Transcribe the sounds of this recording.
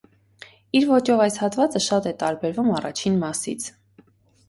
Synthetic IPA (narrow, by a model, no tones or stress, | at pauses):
iɾvɔt͡ʃɔvɑjshɑt̪vɑt͡səʃɑt̪ɛt̪ɑɾbɛɾvumɑrɑ̰t͡ʃʰinmɑsḭt͡sʰ